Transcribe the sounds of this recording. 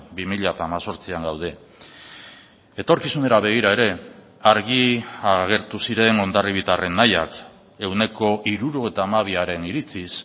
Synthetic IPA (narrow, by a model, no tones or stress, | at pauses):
bimiʎat̪aːmaso̞ɾt͡siaŋɡawð̞e̞ | e̞t̪o̞ɾkisune̞ɾaβe̞ɣ̞iɾae̞ɾe̞ | aɾɣ̞iaɣe̞ɾt̪usiɾe̞ŋo̞nd̪ariβit̪are̞nːaja̰k | e̞wne̞ko̞ʔiɾuɾue̞t̪aːmaβ̞iaɾe̞niɾit͡sis